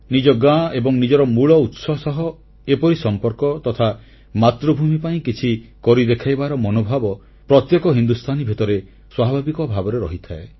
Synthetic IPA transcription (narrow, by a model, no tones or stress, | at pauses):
nid͡ʒɔɡãebɔŋnid͡ʒɔɾɔmuɭɔut̪sɔsɔɦɔ | epɔɾisɔmpɔɾkɔt̪ɔt̪ʰa | mat̪ɾɔbʱumipaĩkit͡ʃʰikɔɾid̪ekʰajbaɾɔmɔnobʱabɔ | pɾɔt̪jɔkɔɦind̪ust̪ʰanibʱit̪ɔɾe | swabʱabikɔbʱabɔɾeɾɔɦit̪ʰae